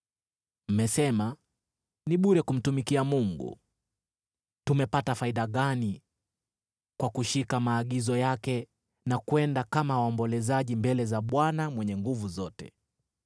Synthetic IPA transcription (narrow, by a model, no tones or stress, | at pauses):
m̩mɛsɛma | niɓuɾɛkum̩tumikiamuŋɡṵ | tumɛpatafaiɗaɠani | kwakuʃikamaːɠizɔjakɛ | nakwɛndakamawaɔmbɔlɛzaʄimbɛlɛzaɓwanamwɛɲɛŋɡuvuzɔtɛ̰